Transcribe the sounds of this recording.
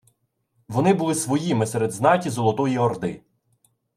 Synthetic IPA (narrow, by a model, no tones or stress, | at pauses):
ʋɔnɪbʊlˠɪsʋɔjimɪseɾed̪znɑtʲizɔlˠɔt̪ɔjiɔrd̪ɪ